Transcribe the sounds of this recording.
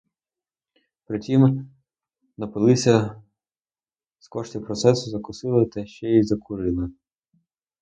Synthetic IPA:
pɾɪtʲim | nɐpɪlˠɪsʲɐ | skɔʃtʲipɾɔt̪sɛsʊzɐkʊsɪlˠɪt̪ɐʃt͡ʃɛjizɐkʰʊɾɪlˠɪ

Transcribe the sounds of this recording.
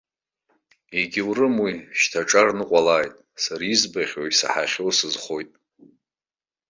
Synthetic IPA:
eɡʲiwrɨmwiʃtʰaʈ͡ʂʼarnɨqʷʼalaːjtʼ | saɾizbaχʲwajsa̰ħaχʲowsɨzχo̞jtʼ

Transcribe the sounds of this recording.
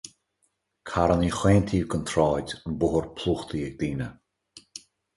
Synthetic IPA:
kʰaɾənixweːnt̪ʰiːvɡənt̪ʰɾɔːdʲənbʊɦəɹpʰlˠuːxt̪ʰiɛɡ̚d̪iːnə

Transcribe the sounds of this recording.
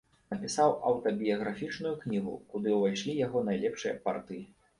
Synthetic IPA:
nɐpʲisawɐwt̪ɐbʲijɐɣɾafʲit͡ʂnujuknʲiɣṵkud̪ɨwvajʂlʲijaɣɔnajlʲɛpʂɨjɐ̰pa̰rt̪ɨji

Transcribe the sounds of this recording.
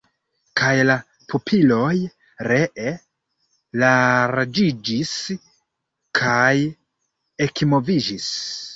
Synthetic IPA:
kʰajla | pʰupʰilo̞j | ɾeʔe | laɾd͡ʒid͡ʒis | kʰaj | ekmo̞vid͡ʒis

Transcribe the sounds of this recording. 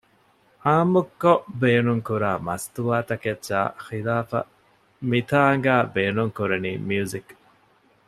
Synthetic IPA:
haːmukːobeːnuŋkuɾaːmɐst̪uʋaːt̪ɐketːʃa̰ːxilaːfɐ̰ | mit̪ʰaːŋɡaːbeːnuŋkuɾɐniːmiuzik

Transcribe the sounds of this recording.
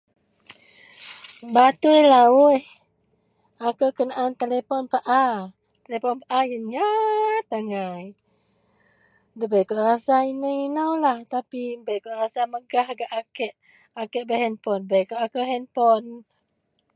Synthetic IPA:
bat̪ujlauh | akəwkənaʔant̪elepɔnpaʔa | t̪elepɔnpaʔajənɲat̪aŋaj | dəbəjkoʔrasainəinəwlaht̪apibəjkoʔrasaməɡahɡaʔakɛʔ | akɛʔ̚bəɦɛnpɔnbəjkoʔakəɦɛnpɔn

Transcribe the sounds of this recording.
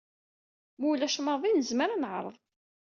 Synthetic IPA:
mulæʃməðˤinəzməɾanəʕɾˤə̰ðˤ

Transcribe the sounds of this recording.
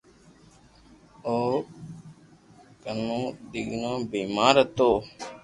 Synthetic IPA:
oː | kənːũːd̪iɡnõːbiːmaːɾət̪oː

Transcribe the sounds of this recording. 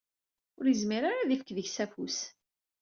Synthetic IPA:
ʊɾizmiɾaɾaðifəkðəçsæfus

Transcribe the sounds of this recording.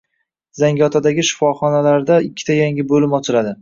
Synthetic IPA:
z̥aŋɡʲɒt̪ʰad̪aɡʲɪʃɪ̥fɒχɒnalaɾd̪aɪkʲʰːɪ̥t̪ʰajaŋʲɪbolɪmɒt͡ʃʰɪlad̪ɪ

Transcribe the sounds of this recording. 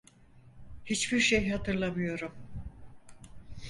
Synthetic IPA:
hit͡ʃbiɾʃejɦat̪ʰɯɾlˠamɯjo̞ɾum

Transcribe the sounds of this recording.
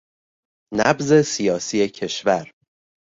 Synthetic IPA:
næbze̞sijɒːsiːe̞cʰe̞ʃvæɾ

